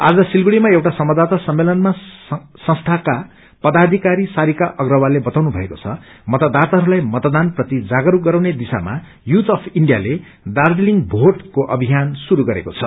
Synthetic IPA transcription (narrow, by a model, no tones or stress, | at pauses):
a̰d͡zʌsilɡiɽimaewʈasʌmʌd̪at̪asʌmːelʌnma | sʌ̃st̪ʰaka | pʌd̪ad̪ʱikaɾisaɾikaʔʌɡrʌwalebʌt̪awnubʱʌekot͡sʰʌ | mʌt̪ʌd̪at̪aɦʌɾulajmʌt̪d̪anprʌt̪id͡zaɡʌɾuɡʌɾawned̪isa̰ma̰ | jut̪ʰʌpʰiɳɖija̰le | ɖardiliŋbʱoʈkoʔʌbʱijansuɾuɡʌɾḛkot͡sʰʌ